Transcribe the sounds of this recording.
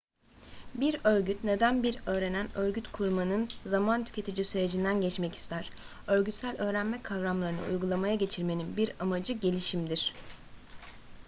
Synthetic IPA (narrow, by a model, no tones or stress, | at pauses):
biɾø̞ɾɟyt̪ne̞d̪ænbiɾø̞ːɾe̞nænø̞ɾɟyt̪kʰuɾmanɯnzamant̪ʰy̥cʰe̞t̪ʰid͡ʒisyɾe̞d͡ʒind̪ænɟɛt͡ʃmɛci̥st̪ʰæɾ̥ | ø̞ɾɟyt̪sælʲø̞ːɾænmɛkʰavɾamlˠaɾɯnɯ̰ṵjɡulˠamajaɟe̞t͡ʃʰiɾme̞ninbiɾamad͡ʒɯɟe̞lʲiʃimd̪iɾ̥